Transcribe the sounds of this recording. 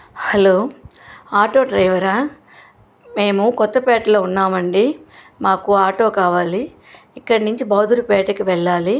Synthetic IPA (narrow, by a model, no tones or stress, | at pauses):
hɐloː | aːʈo̞ːɖɾɐjʋɐɾɐ | me̞ːmukɔt̪ːɐpɛːʈɐlo̞ːunːaːmɐɳɖi | maːkuaːʈo̞ːkaːʋaːliː | kːɐɽɐnuɲt͡ʃibɐːd̪ʱuɾipɛːʈɐkiʋɛɭːaːli